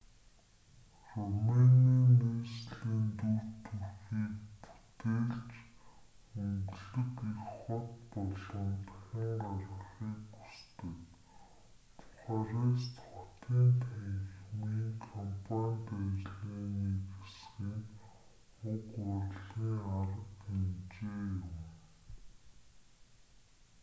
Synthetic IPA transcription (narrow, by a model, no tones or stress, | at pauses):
rɔmenianesɮiːnt̪urt̪urxiːkpu̥t̪eːɮt͡ɕ | ɵŋɡɮɘ̆kixχɔt̪pɔɮɞ̆nt̪xʲɪ̆ŋɢarə̆χiːku̥st̪ɘ̆k | t̪ʰʊ̥χaːɾaːst̪ʰɔt̪iːnt̪ʰæŋxmiːŋkʰɔmpʰanʲt̪œjt͡ɕɮiːniːkesxiŋ | ʊkʊrɮiːŋaɾə̆kent͡ɕeːjʊm